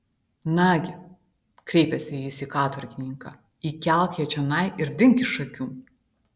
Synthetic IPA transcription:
nɑːɡʲɪ | kɾʲɛɪpʲɛsʲɪɪsʲikɑːt̪ʋɐɾʲkʲɪnʲɪŋkɑː | iːkʲæˑlˠkʲjʲɛt͡ʃʲɛnɐɪʔɪɾd̪ʲɪŋʲkʲɪʃɐkʲuː

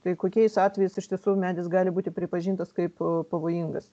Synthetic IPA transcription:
t̪ɐɪkoːkʲɛɪsɑːt̪ʲʋʲɛjɛsɪʃʲt̪ʲiɛsumʲæːd̪ʲɪsɡɑːlʲɪbuːt̪ʲɪpʲɾʲɪpɐʒʲiːnt̪ɐskɐɪppɐʋoːjiŋɡɐs

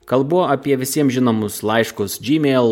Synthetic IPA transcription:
kɐlˠbuoʔɐpʲiɛʋʲɪsʲiɛmʒʲɪnoːmʊslˠɐɪʃkʊsd͡ʒʲiːmʲɛɪlˠ

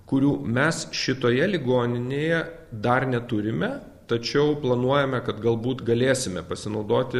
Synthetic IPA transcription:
kʊɾʲuːmʲɛsʃʲɪt̪oːjɛlʲɪɡoːnʲɪnʲeːjɛ | d̪ɐrnʲɛt̪ʊɾʲɪmʲɛ | t̪ɐt͡ʃʲɛʊplˠɐnuɔjɛmʲɛkɐt̪ɡɐlˠbuːt̪ɡɐlʲeːsʲɪmʲɛpɐsʲɪnɒʊd̪oːt̪ʲɪ

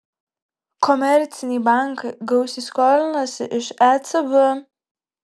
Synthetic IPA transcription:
kɔmʲɛɾʲt̪sʲɪnʲibaˑŋkɐɪɡɐʊsʲiskɔːlʲɪnɐsʲɪ̰ʔɪʃæt̪sɐbə

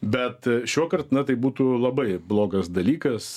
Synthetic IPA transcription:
bʲɛt̪ʃʲuɔkɐrt̪nɐt̪ɐɪbuːt̪ulˠɐbɐɪblˠoːɡɐsd̪ɐlʲiːkɐs

